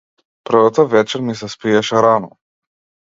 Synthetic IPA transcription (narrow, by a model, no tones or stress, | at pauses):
pr̩vat̪əvɛt͡ʃɛɾmis̬ɛspiɛʃɛɾanɔ